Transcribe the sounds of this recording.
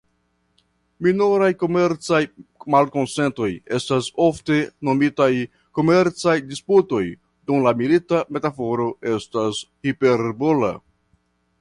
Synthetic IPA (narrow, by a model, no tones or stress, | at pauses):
minoɾajko̞me̞ɾt͡sajmalko̞nse̞nto̞je̞staso̞fte̞no̞mitaj | ko̞me̞ɾt͡sajdisputo̞j | dumlamilitame̞tafo̞ɾo̞e̞stashipe̞ɾbola̰